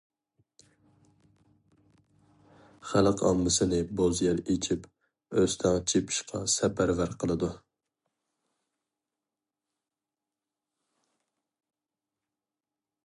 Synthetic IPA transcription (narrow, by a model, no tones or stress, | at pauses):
χælˠɨqʰɑ̰mːɨsɨnɪbozjɛɾet͡ʃʰip | øst̪ʰɑŋt͡ʃʰepʰɪ̥ʃqʰɑ̰sɛpʰæɾvæɾqʰəlˠɨd̪u